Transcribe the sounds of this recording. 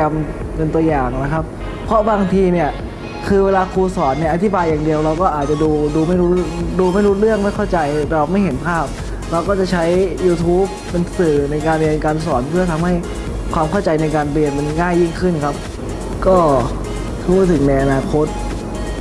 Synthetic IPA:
a˧m | pe˧nt̪u˧ɐjaː˨˩ŋna˦˥kʰa˦˥p̚ | pʰɾɔ˦˥baː˧ŋt̪ʰiː˧ni˥˩ɐ | kʰɯː˧weː˧laː˧kʰuː˧sɔː˩˦nːa˧˩jʔa˧t̪ʰi˦˥baː˧jːaː˨˩ŋdi˧əwɾa˧wkɔː˥˩ʔaː˨˩t̪̚t͡ɕa˨˩duː˧duː˧ma˥˩jɾuː˦˥duː˧ma˥˩jɾuː˦˥t̪̚ɾɯ˥˩əŋma˥˩jkʰa˥˩wt͡ɕa˧jɾa˧wma˥˩jɦe˩˦npʰaː˥˩p̚ | ɾa˧wkɔː˥˩t͡ɕa˨˩t͡ɕʰa˦˥jːuː˧t̪ʰuː˦˥p̚ːe˧nsɯː˨˩na˧jkaː˧nbi˧ə˧kaː˧nsɔː˩˦npʰɯ˥˩ɐt̪ʰa˧mha˥˩j | kʰwaː˧mkʰa˥˩wt͡ɕa˧jna˧jkaː˧npi˨˩ənpe˧nŋaː˥˩jːi˥˩ŋkʰɯ˥˩nkʰa˦˥p̚ | kɔː˥˩ | tʰuː˥˩t̪ʰɯ˩˦ŋna˧jʔa˧naː˧kʰo˦˥t̪̚

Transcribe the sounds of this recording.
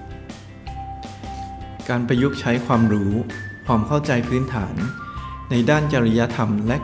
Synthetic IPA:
kaː˧npɾa˧ju˦˥k̚t͡ɕʰa˦˥jkʰwaː˧mɾuː˦˥kʰwaː˧mkʰa˥˩wt͡ɕa˧jpʰɯː˦˥nt̪ʰaː˩˦nːa˧jdaː˥˩nt͡ɕa˧ɾa˧ja˦˥t̪ʰa˧mlɛ˦˥

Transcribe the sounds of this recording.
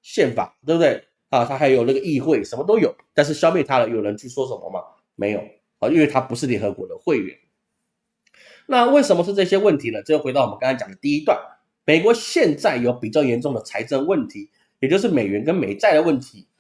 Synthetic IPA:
ɕjɛ˥˩nfa̰˨˩˦t̪e˥˩bə˩t̪we˥˩ɪ | ə˧t̪ʰa˥xa˧˥ɪjo˨˩ʊnə˥˩ɡə˩i˥˧xwe˥˩ɪʂə˧˥nmə˧t̪o˥ʊjo˨˩˦ʊt̪a˥˧nʂ̬ɻ̩˥˩ɕjɑ˥ʊmjɛ˥˩nt̪ʰa˥lə˨jo˨˩ʊɻə˧˦nt͡ɕʰy˥˩ʂwɔ˥ʂə˨˦mə̰˨mɐ̰˩ | me˧˥ɪjo˨˩ʊ˨˩˥ | nwe˥˩ɪt̪ʰa˥pu˧˥ʂɻ̩˥˩ljɛ˧˥nxɤ˧˥kwɔ̰˧˥d̪ə˧xwe˥˩ɪɥɛ̰˨˩˦n | na˥˧we˥˩ɪʂə˨˩nmə˦ʂ̬ɻ̩˥˧ʈ͡ʂɤ˥˧˩ɕjɛ˥wə˥˩nt̪ʰi˧˥lə˨˩ʈ͡ʂjo˥˩xwe˧˥ɑ˥˩˨m˧˦˥kɑ˥ŋɑ̃˥t͡ɕjɑ˨˩ŋd̪ə˦t̪i˥˧i˦˥t̪wa˥˩n | me˨˩ɪkwɔ˧˥ɕjɛ˥˧nt͡sa˥˩ɪjo˨˧˥ʊpi˨˩t͡ɕjɑ˥˩ʊjɛ˧˥nʈ͡ʂʊ˥˩ŋd̪ə˩t͡sʰa˧˥ɪʈ͡ʂə˥ŋwə˥˩nt̪ʰi˧˥˦ | jɛ˨˩t͡ɕjo˥˧ʊʂ̬ɻ̩˥˩me˨˩ɪɥɛ˧˥nk̬ə˥nme˨˩ɪt͡sa˥˩ɪd̪ə˩wə˥˩nt̪ʰi˧˥˦

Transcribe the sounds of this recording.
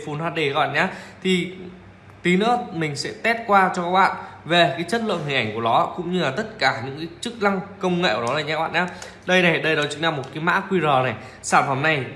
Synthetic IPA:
fu˨˦nhwaː˧˩ɗe˨˧˩ɣɔ̰˧˨ɲaː˨˦t̪ʰi˨˩ | t̪i˨˦nɨ̰˧˥əmï˨˩ŋ̟sɛ̰˧˥t̪ɛ˦˥t̚kwaː˧t͡ɕɔ˧kaː˦˥k̚ɓa̰ː˧˨nve˨˩kaː˨˦jt͡ɕə˦˥t̚lɨ̰˧˨nɦi˨˩ŋ̟ʔjŋ̟ku˧˩ənɔ˨˦kʊ̰˧˥ŋ͡mɲɨ˧la˨˩t̪ə˦˥t̚kaː˧˩ɲɨ̰˧˥ŋkaː˨˦t͡ɕɨ˦˥k̚la˧ŋkə˧wŋ͡mŋḛ˧˨kwɔ˨˦a˧˩ɲa˧˦˥ɓa̰ː˧˨ɲaː˨˦ | ɗə˧jna˨˩jɗə˧jɗɔ˨˦t͡ɕɨ˧˦ŋna˧mːo˨˩t̚kaː˨˦ma̰ː˧˥kwi˧zə˨˩na˨˩j | saː˧˩mfə˨˧˩mna˨˩j

